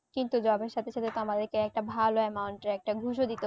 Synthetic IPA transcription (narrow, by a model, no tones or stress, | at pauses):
kint̪ud͡ʑɔbeɾʃat̪ʰeʃʰat̪ʰet̪oamad̪eɾkeɛk̚ʈabʱaloɛmauɳʈeɾɛk̚ʈaɡʱuʃod̪it̪e